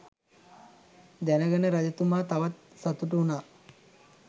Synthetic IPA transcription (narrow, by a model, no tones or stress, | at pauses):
d̪ænəɡənəɾad͡ʒət̪umaːt̪aʋat̪̚ | sat̪uʈ̬uunaː